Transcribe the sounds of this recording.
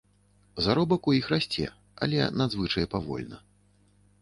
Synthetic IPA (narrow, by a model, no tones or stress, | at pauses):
zaɾɔbɐkujixrasʲt͡sʲɛ̰ | a̰lʲɛ̰nad̪zvɨt͡ʂɐjɛpavɔ̰lʲnɐ